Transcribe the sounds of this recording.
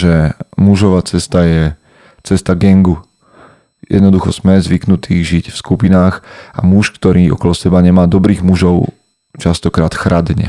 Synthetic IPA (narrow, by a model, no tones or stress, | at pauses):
ʒɛmuʒɔʋaːt͡sɛst̪ajɛ | t͡sɛst̪aɡɛŋɡu | jʔɛ̰d̪nɔd̪uxɔ̰z̥mɛzʋiknut̪iːɣʒicfskupinaːxa̰muʃkt̪ɔɾiːɔ̰kɔlɔsɛbaɲɛmaːd̪ɔbɾiːɣmuʒɔʊ | t͡ʃast̪ɔkɾaːt̪xɾad̪ɲɛ̰